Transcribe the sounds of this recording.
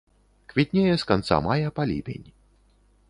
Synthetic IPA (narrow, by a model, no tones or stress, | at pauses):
kvʲit̪ʲnʲejɛskant̪sa̰majɐpalʲḭpʲḛnʲ